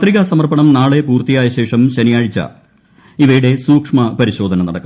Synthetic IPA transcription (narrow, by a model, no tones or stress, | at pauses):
t̪riɣɐsɐmɐrpɐɳɐmnaːɭe̞puːrt̪ijaːjɐɕe̞ːʂɐmɕɐnijaːɻit͡ɕːɐ̰ | iʋɐjuɽe̞suːkʂmɐpɐɾiɕo̞ːd̪ʱɐnɐnɐɽɐkːɐ